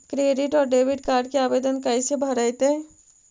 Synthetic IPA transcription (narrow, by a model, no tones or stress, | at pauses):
kɾeːɖɪʈɔːɾɖeːʋɪɖkaːɾɖkeaːʋeːd̪ənkaisebʱəɾəjt̪e